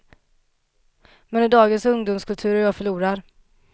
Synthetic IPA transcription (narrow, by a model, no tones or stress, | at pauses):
mɛnɪd̪ɑːɡənsɵŋd̪ʊːmskʰɵlt̪ʰʉ̟ːɾjɑːɡfœɭuːɾaɾ